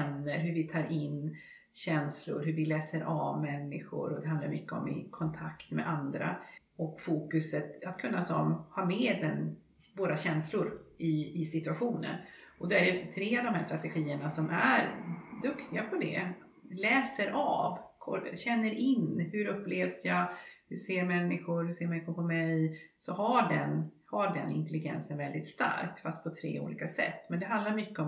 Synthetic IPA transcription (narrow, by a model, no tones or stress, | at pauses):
ɛnːəɾɦɵɾvɪt̪ʰɑːɾɪnː | ɕɛnslʊ̰ɾɦɵɾvɪlɛːsəɾʔavmɛnːɪ̰ɧʊ̰ɾɔd̪ɛɦand̪la̰ɾmʏkːəɔmɪ̰kʰɔnt̪ʰakt̪mɛ̰ʔand̪ɾa̰ | ɔkfuːkɵsət̪at̪kʰɵnːasɔmhɑːɾmeːd̪d̪ɛn | voːɾaɕɛnslʊɾɪɪsɪt̪ɵaɧuːnə̰ɾɔd̪oæɖɛt̪ʰɾeːavd̪ɔmhæːʂt̪ɾat̪ɛɧiːəɳasɔmʔæɾd̪ɵkt̪ɪɡapʰɔd̪ɛ̰ | lɛːsəɾʔavkʰɔɕɛnːəɾɪnhɵɾɵpːleːvsjahɵseːɾmɛnːɪɧʊɾhɵseːmɛnːɪɧʊɾpʰɔmɛjsɔɦaɖɛnhaɖɛnɪ̰nt̪ɛlɪɡɛ̰nsənvɛld̪ɪt̪st̪a̰ɾk̚t̪fast̪̚pʰɔt̪ʰɾḛːṵːlḭːkasɛ̰t̪ːmɛnd̪ɛɦand̪laɾmʏkːəɔ